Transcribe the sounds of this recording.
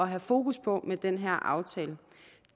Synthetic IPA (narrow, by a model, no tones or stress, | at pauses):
ɒ̽ɦæfo̝ːkʰuspʰɒ̽med̥enɦæɐ̰ʔɑ̈ʊt͡sʰɛːlə